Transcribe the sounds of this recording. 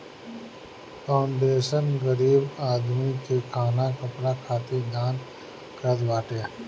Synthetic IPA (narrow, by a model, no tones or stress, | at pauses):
pʰaʊɳɖeːʃənɡəɾiːbaːd̪mikekʰaːnakɐpɾakʰaːt̪id̪aːn | kəɾt̪ʋaːʈeː